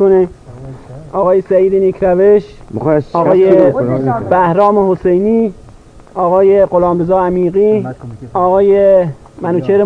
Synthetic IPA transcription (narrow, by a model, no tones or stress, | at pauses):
one | ɒːɣɒːjesæiːd̪enikʰɾæveʃɒːɣɒːje | bæhɾɒːmehosejniː | ɒːɣɒːjeɢolɒːmbezɒːæmiːɣiːɒːɣɒːje | mænut͡ʃʰeɾe